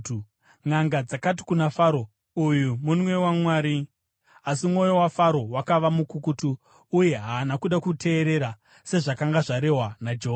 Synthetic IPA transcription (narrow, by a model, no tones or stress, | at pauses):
ŋaŋɡad͡zakat̬i̥kunafaɾo | ujumunwe̞wamwaːɾi | asimwo̞jowafaɾo̞wakaʋamukukutuː | je̞ɦaːnakuɗakutʰe̞ːɾe̞ɾa | se̞ʐakaŋɡaʐaɾe̞ɦwanad͡ʒeɦo